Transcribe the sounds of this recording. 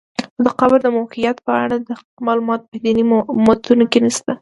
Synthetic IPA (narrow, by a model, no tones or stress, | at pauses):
xod̪əqɑbaɾd̪əmahijat̪pəa̰ɽad̪ə | mɑlumɑt̪o̥pəd̪inimɑt̪unokenist̪a